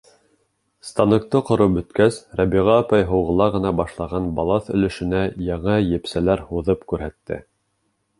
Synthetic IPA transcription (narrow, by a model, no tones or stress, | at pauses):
st̪ɑnɤ̆k̚t̪ɤqŏɾɤbɵ̆t̪kæsɾɑbiʁɑːpɑjɦŏwʁɤ̆lˠɑʁɤ̆nɑbɑʃlˠɑʁɑnbɑlˠɑθɵ̆lɘ̆ʃɘ̆næjɑɴɑjɘ̆psælæɾhuðɤpkʉɾɦæt̪ːɘ̰